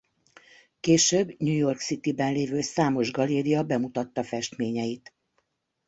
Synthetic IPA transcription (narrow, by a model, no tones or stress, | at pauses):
keːʃøːbɲujo̞rksit̪ibɛnleːvøːsaːmo̞ʒɡɒleːɾiɒbɛmut̪ɒt̪ːɒfɛʃt̪meːɲɛjit̪